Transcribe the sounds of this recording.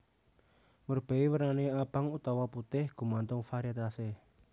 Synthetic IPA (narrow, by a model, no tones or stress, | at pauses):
mərb̥e̤iwəɾaneab̥a̤ŋut̪awaput̪ɪhɡ̥ṳmant̪ʊŋfaɾiat̪ase